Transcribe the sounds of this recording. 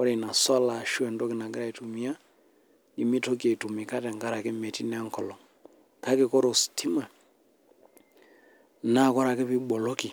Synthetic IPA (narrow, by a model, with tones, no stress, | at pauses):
ɔ˦ɾe˨na˨sa˦la˨ʃu˦ɛ˨ndɔ˦kɪ˨na˨ɡɪ˦ɾa˨i˨tu˨mi˨a˦ | i˨mi˦to˦k̬i˦a˨i˨tu˨mi˨ka˦tɛ˨ŋka˦ɾa˨ke˦mɛ˨ti˦nɛ˦a˦ŋ˨kɔ˨lɔ˨ŋ | ka˦ke˨kɔ˦ɾo˨sti˦ma˨ | na˦˨kɔ˦ɾa˨ke˦pi˦ɓɔ˨lɔ˦ki˨